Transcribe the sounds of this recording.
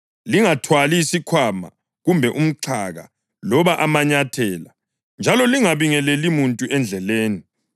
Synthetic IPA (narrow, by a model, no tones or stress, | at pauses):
liŋatʰwalisikʰwama̰ | ɣumbʱɛʔum̩ǀʰa̰ɣa̰ | lɔβaʔamaɲatʰɛːla | nd͡ʒʱalɔliŋaβiŋɛlɛlimuntʼuʔɛnd͡ɮʱɛleːni